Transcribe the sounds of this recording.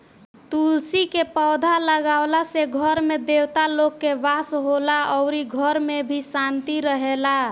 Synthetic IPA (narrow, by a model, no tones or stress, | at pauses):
t̪ulsikepəwd̪ʱaləɡaʊlaseɡʱəɾmed̪ewt̪alokːeʋasɦolaəʊɾiɡʱəɾmebʱisant̪iɾəɦela